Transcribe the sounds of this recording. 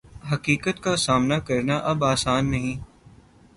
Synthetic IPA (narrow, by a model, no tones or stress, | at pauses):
ɦɐkiːkət̪kasaːmnakɐɾnaʔɐbaːsaːnːɐɦĩː